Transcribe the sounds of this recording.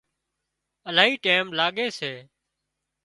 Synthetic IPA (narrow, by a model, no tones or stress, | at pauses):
əlaːɦiːʈeːmlaːɠeːseː